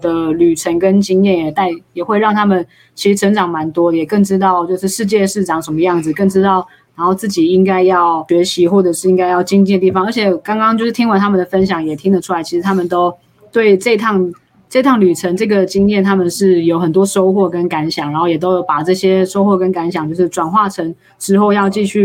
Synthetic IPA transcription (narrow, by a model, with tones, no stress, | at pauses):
d̪ə˧ly˨˩ʈ͡ʂʰə˧˥ŋkə˦nt͡ɕi˥ŋjɛ˥˩nɛ˨˩t̪a˥˩njɛ˨˩xwe˥˧ɪɻɑ˥˩ŋt̪ʰa˥mə˨n | t͡ɕʰi˧˥ʂɻ̩˧˥ʈ͡ʂʰə˧˥ŋʈ͡ʂɑ˨˩ŋma˧˦˥nt̪wɔ˥jɛ˨˩kə˥˩ŋʈ͡ʂɻ̩˥t̪̬ɑ˥˧ʊt͡ɕjo˥˧ʊʂɻ̩˥˧ʂɻ̩˥˧t͡ɕjɛ˥˧ʂɻ̩˥˩ʈ͡ʂɑ˨˩ŋʂə˧˦nmə˧jɑ˥˩ŋd͡zɹ̩˨˩kə˥˩ŋʈ͡ʂɻ̩˥t̪ɑ˥˩ʊ | na˧˥nxo˥˧ʊt͡sɹ̩˥˩t͡ɕi˨˩i˥ŋka˥ɪjɑ˥˩ʊɥɛ˧˦˥ɕi˧˥xwɔ˥˩ʈ͡ʂɤ˨˩ʂɻ̩˥˩i˥ŋka˥ɪjɑ˥˩ʊt͡ɕi˥ŋt͡ɕi˥˩d̪ə˩t̪i˥˩ɑ˨˦ŋə˧˥t͡ɕʰjɛ˨˩kɑ˥ŋkɑ˥ŋt͡ɕjo˥˧ʊʂɻ̩˥˩t̪ʰi˥ŋwa˧˥nt̪ʰa˥mə˨nd̪ə˩fə˦˥nɕ̬jɑ˨˩ŋjɛ˨˩t̪ʰi˥ŋd̪ə˨ʈ͡ʂʰu˥a˧˥ɪt͡ɕʰi˧˥ʂɻ̩ʰ˧˥a˥mə˨nt̪o˥ʊ | t̪we˥˩ɪʈ͡ʂə˥˧t̪ʰɑ˥˩ŋ | ʈ͡ʂə˥˧i˥t̪ʰɑ˥˩ŋly˨˩ʈ͡ʂʰə˧˥nʈ͡ʂɤ˥˩ɡə˩t͡ɕi˥ŋjɛ˥˩nt̪ʰa˥mə˨nʂɻ̩˥˩jo˧˥ʊxə˨˩nt̪̬wɔ˥ʂo˥ʊxwɔ˥˩kə˦˥nka˧˥nɕjɑ˨˩˦ŋɻa˧nxo˥˩jɛ˨˩t̪o˥ʊjo˧˩ʊpa˨˩ʈ͡ʂɤ˥˩ɕjɛ˥ʂo˥ʊxwɔ˥˩kə˦nka˧˥nɕ̬jɑ˨˩ŋt͡ɕo˥˧ʊʂɻ̩˥˩ʈ͡ʂwa˨˩nxwa˥˩ʈ͡ʂʰə˧˥ŋ | ʈ͡ʂɻ̩˥xo˥˧ʊjɑ˥˧ʊt͡ɕi˥˧ɕy˥˩